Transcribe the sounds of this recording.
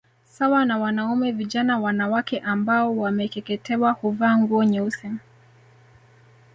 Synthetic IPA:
sawanawanaumɛviʄanawanawakɛʔambaɔwamɛkɛkɛtʰɛwahuvaːŋɡuɔɲɛusɛm

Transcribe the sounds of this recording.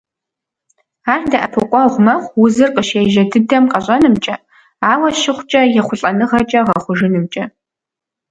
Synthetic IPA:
aːrdɐʔɐpʰɨqʷʼɔʁʷmɐχʷwʊzɨrqəʃeːjʒɐdɨdɐmqɐɕʼɐnɨmt͡ʃʼɐ | aːwɐʃɪχʷt͡ʃʼɐjɛχʷʊɬʼɐnɨʁɐt͡ʃʼɐʁɐχʷʊʒɨnɨmt͡ʃʼɐ

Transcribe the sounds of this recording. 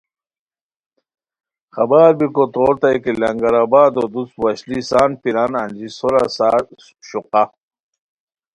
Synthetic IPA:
xɐbaːɾbikot̪oːɾt̪aikilɐŋɡɐɾabaːd̪od̪ut͡swɐɕlisaːnpiɾanɐnʲd͡ʑisoɾasaː | ɕuqa

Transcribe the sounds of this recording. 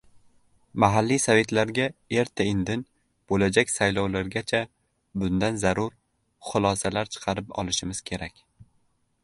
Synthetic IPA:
maɦalːisave̞t̪laɾɡʲae̞ɾt̪ʰaɪnd̪ɪn | b̥olad͡ʒakʲsajlˠɒwlaɾɡʲat͡ʃʰa | bʊnd̪anzaɾʊɾ | χʊlˠɒsalaɾt͡ʃʰɨ̥qʰɑɾɪpɒ̰lˠɪʃɪmɪz̥kʲʰe̞ɾakʲ

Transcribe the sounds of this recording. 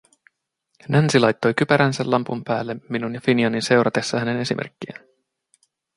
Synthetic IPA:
nʔænsilɑjt̪ːo̞jkypæɾænsælːɑmpumpæ̰ːlːeminunjɑfiniɑninse̞wɾʔɑt̪e̞sːɑhæne̞ne̞simḛrkːiæ̰n

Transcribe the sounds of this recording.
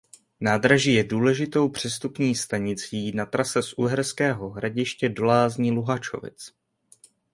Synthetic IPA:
naːd̪ɾaʒiːjɛduːlɛʒɪt̪o̞wpr̝̥ɛst̪upɲiːst̪aɲɪt͡siːnat̪ɾasɛsʔuɦɛɾskɛːɦo̞ɦɾaɟɪʃcɛdo̞laːzɲiːluɦat͡ʃo̰vɪ̰t͡s

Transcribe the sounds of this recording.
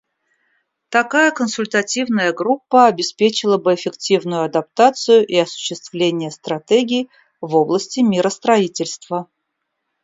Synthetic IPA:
t̪ɐkajəkənsʊlʲt̪ɐtʲivnəjəɡɾupːəɐbʲɪspʲet͡ɕɪlˠəbɨɪfʲɪktʲivnʊjʊɐd̪ɐp̚t̪at̪sɨjʊʔiɐsʊ̥ɕːɪst̪vlʲenʲɪjəst̪ɾɐt̪ʲeɡʲiː | vo̞blˠəsʲtʲɪmʲiɾəst̪ɾɐitʲɪlʲst̪və

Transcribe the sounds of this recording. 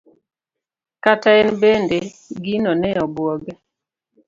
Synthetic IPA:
kataɛnbende | ɡinɔnɛɔbwɔɡɛ

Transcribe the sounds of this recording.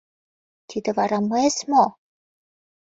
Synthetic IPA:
t̪ʰid̪ĕvɑɾɑmɤesmo

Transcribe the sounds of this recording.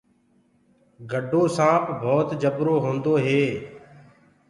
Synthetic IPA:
ɡəɖʱoːsãːpʰbʱoːt̪d͡ʒəbɾoːɦõːnd̪oːɦeː

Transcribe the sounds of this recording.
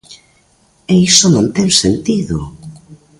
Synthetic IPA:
ɛisonõnt̪ɛŋsent̪iðʊ̰

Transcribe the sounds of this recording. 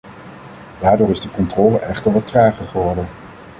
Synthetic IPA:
d̥aːɹdʊːɹɪzdəkɔntrɔːləʔɛχtəɹʋɑt̚raːχəχəʋɔɹdən

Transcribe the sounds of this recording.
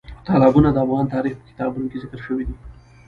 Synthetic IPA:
t̪ɑlɑbunad̪əafɣɑnt̪ɑɾixpə̥kɪ̥t̪ɑbunokezɪkəɾʃəwid̪i

